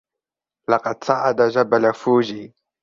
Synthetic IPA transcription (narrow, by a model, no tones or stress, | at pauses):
laqɑt͡saʔad̪aʒabalafuʒi